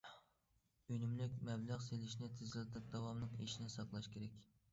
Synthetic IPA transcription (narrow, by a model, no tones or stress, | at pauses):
ynymlɪkʲmɛblˠæʁselɪʃnɪt̪ʰɪzɪlɨd̪ɪk̚d̪ɑwɑmnɨŋḛʃinɪsɑqlˠɑʃkʲeɾɛkʲ